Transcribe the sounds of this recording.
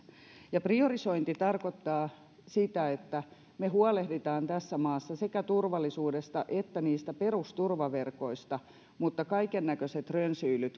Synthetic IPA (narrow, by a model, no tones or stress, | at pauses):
jɑpriorisoint̪it̪ɑrkot̪ːɑː | sit̪æet̪ːæ | meɦhuɑlehdit̪ɑːnt̪æsːæmɑːsːɑsekæt̪urʋɑlːˑisuːdest̪ɑʔet̪ːæniːst̪æperust̪urʋɑʋerko̞ist̪ɑ | mut̪ːɑkɑikenːækøset̪rønsyːlyt̪